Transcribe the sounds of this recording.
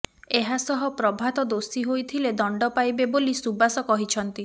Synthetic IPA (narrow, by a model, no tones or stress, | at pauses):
eɦasɔɦɔpɾɔbʱat̪ɔd̪osiɦojt̪ʰiled̪ɔɳɖɔpajbebolisubasɔkɔɦit͡ʃʰɔnt̪i